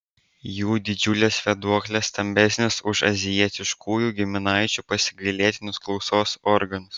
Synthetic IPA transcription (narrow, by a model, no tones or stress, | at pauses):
juːd̪ʲɪd͡ʒʲʊlʲesʋʲɛd̪uɔklʲest̪ɐmʲbʲɛsʲnʲɪsʊʃɐ̰zʲɪjiɛt̪ʲɪʃkʰuːjuːɡʲɪmʲɪnɑɪt͡ʃʲupɐsʲɪɡɐɪlʲiɛt̪ʲɪnʲʊsklˠɒʊsoːsɔɾɡɐnʊs